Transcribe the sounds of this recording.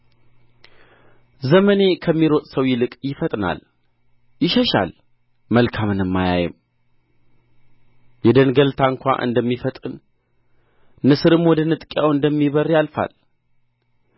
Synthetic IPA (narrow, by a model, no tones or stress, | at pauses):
zəməne̞kʰəmːiɾot̪ʼsəwjɪlɨkʼjɪfət̪ʼna̰l | jɪʃəʃa̰l | məlkʰamɨnɨmːaja̰jɛ̰m | jɛd̪ənɡəlt̪ʰaɨŋkʷa̰ʔɨ̰nd̪əmːifət̪ʼɨn | nɨsɨɾɨmwɔd̪ənɨt̪ʼkʼjawɨnd̪əmːiβərjalfa̰l